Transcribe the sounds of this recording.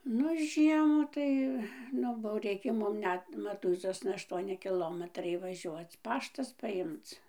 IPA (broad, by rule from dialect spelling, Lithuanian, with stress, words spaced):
ˈnʊ ˈʒʲiɛmʊ tɐɪ ˈnʊ boːʊ ˈrʲɛɪkʲeː ˈmʊm ˈnʲɛt mɐˈtuːɪzoːsnɐ ɐʃˈtuɔnʲɪ kʲɪˈlˠoːmʲɛtrɐɪ ʋɐˈʒʲuɔt͡s ˈpɑːʃtɐs pɐˈjɪmt͡s